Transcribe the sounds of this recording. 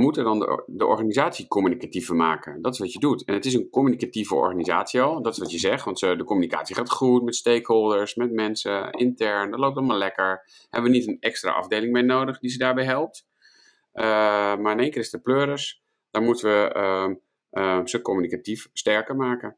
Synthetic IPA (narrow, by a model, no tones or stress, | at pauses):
mutədɔndə̰dəʔɔ̰ɹχaːnizaːtsikomynikativəmaːkədɔtɪ̥sʋɑtjədutɛnətɪs̬ənkomynikativəɔ̰ɹχaniza̰ːtsiɔlˠdɔtɪ̥sʋɔtjəzɛχtʋɑntsədəkɔmynika̰ːtsiχaːtχutmɛtstejkɦolˠdəɹsmɛtmɛnsəɪntɛɹndɔtlowp̚tɔlmaːɹlɛkəɹ | hɛbəʋənitənɛkstra̰ʔɑ̰vdejlɪŋmejnowdəχdizədaːɹbɛjɦɛlˠp̚t | ʔəmaɹɪneːŋkɪːrɪstəpløːɾəs | d̥aːɹmutəʋəə | səkomynikatifstɛɹkəɹmaːkə